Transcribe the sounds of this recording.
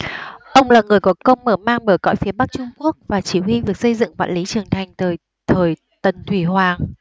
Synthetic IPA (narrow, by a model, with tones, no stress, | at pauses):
ʔə˧wŋ͡mlaː˨˩ŋɨ˨˩əjkɔ˨˦kə˧wŋ͡mməː˧˩maː˧ŋɓəː˧˩jkɔ̰˧˥˨jfi˨˦əɓa˦˥k̚t͡ɕʊ˧ŋ͡mku˦˥ək̚vaː˨˩t͡ɕi˧˩hi˧vɨ˨˩ək̚sə˧jzɨ̰˧˨ŋva̰ː˧˨nli˨˦t͡ɕɨ˨˩əŋt̪ʰa˨˩jŋ̟t̪əː˨˩j | t̪ʰəː˨˩j | t̪ə˨˩nt̪ʰwi˧˩hwaː˨˩ŋ